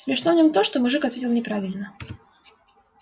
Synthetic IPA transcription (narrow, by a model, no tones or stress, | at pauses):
sʲmʲɪʂnovnʲɔmt̪oʂt̪ɔmʊʐɨkɐt̪vʲetʲɪlˠnʲɪpɾavʲɪlʲnə